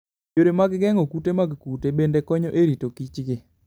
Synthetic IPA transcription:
d͡ʒoɾemaɡɡɛŋokutemaɡkutebendekɔɲɔʔeɾitokit͡ʃɡɪ

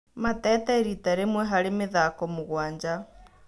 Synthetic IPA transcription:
matɛːtɛɾitaɾemwɛɦaɾemeðakɔmuɣwaːɲd͡ʒa

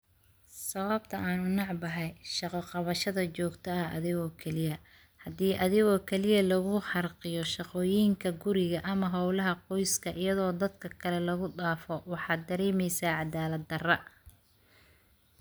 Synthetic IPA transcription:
sɐβɐb̚t̪ʰɐʔaːnʊnɑʕbɐɦɛjʃɑqɔqɑβɐʃɐðɐt͡ʃɔːɡt̪ʰɐɐɐ̰ðɪɣɔkʰɛlɪjɐ | hɐdiːʔɐðɪɣɔːkʰɛlɪjɐlɐɣʊħɑrqɪjɔʃɑqɔːjiːŋkʰɐɡʊɾɪɣɐʔɐmɐɦɐwlɐɦɐqɔjskʰɐʔɪjɐðɔːd̪ɐd̪kʰɐkʰɐlɛlɐɣʊɖaːfɔwɑħɑːd̪ɐɾɛːmɛjsaːʕɑd̪aːlɐd̪ɐrɐ

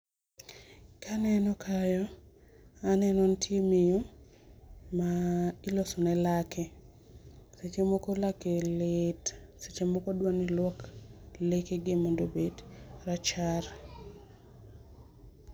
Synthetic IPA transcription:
kʰanɛnɔkʰajɔ | anɛnwɔntʰjemijo | mailosunɛlakɛ | set͡ʃemokolakeletset͡ʃemokodwanilwɔklekeɡemondobedrat͡ʃar

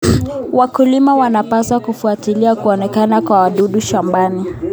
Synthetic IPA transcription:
wakulimawanapaswakufuatiliakuɔnɛkanakwawaɗuɗuʃambani

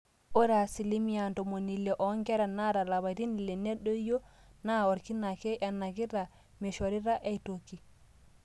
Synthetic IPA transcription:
ʔɔɾasilimijantɔmonilːɛʔɔŋkɛɾanaɾalaβadinlɛnɛɗːɔjɔnaɔɾkinakɛʔanːaɡiɾa | mɛʃoɾiɾaʔɛtokːi

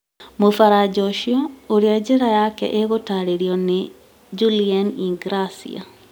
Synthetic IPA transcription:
mofaɾad͡ʒɔʃiɔoɾiad͡ʒeɾajakɛ̰ʔeɣotaɾeɾjɔne | d͡ʒulianiŋɡɾasḭa̰

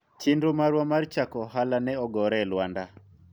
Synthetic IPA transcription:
t͡ʃindomaɾwamart͡ʃakɔɦalanɛɔɡɔɾɛlwanda

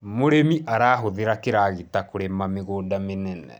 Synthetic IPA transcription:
moɾemiʔaɾaːɦoðeɾakeɾaːɣetakoɾemameɣoːdamenɛnɛ̰

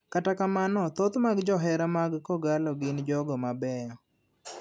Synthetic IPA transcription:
katakamanɔt̪ot̪maɡd͡ʒɔɦɛɾamaɡkɔɡalɔɡɪnd͡ʒɔɡɔmabɛjɔ

